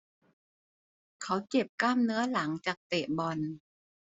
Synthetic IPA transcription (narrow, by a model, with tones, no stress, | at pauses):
kʰa˦˥wke˨˩p̚klaː˥˩mnɯ˦˥ɐla˩˦ŋt͡ɕaː˨˩k̚t̪eː˨˩bɔ˨˩n